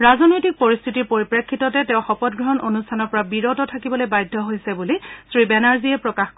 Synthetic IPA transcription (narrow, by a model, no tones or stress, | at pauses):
ɹazɔnojtik̚poɹist̪ʰitiɹpoɹipɹekʰːitɔtɛtɛʊ̃xɔpɔt̚ɡɹɔɦɔnʔonustʰanɔɹpɔɹabiɹɔtɔtʰakibɔlojbajdʱːɔɦojsɛbulisɹibɛnaɹziɛpɹɔkaxk